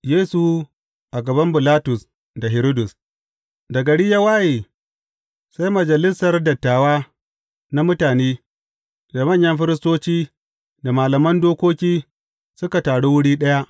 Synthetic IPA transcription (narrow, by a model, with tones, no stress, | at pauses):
jeː˦su˨ | ʔa˨ɡɐ˨bɐ˦mbɪ˨laː˦tʊ˨s | da˨ɦɪ˨ɾo˦dʊ˨s | dɐ˨ɡɐ˨ɽɪ˦ja˦waː˦jeː˨ | sa˦jmɐ˨d͡ʒɐ˨lɪ˦sɐ˨rdɐ˨tːaː˨waː˦ | na˦mʊ˦taː˨neː˦ | da˨mɐ˦˨ɲjɐ˦mɸɪ˦ɾɪ˦stoː˦t͡ʃiː˦ | da˨maː˨lɐ˨mɐ˦ndoː˦kʷoː˦kʲiː˦ | sʊ˦ka˨taː˨ɽo˦wʊ˦ɽiː˦ɗɐ˦ja˦ʔ